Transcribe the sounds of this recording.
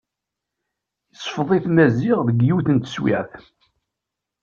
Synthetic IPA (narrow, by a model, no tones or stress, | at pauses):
jəsˤfðˤiθmæziʁðəɡjuθənt̪ə̥swḭʕθ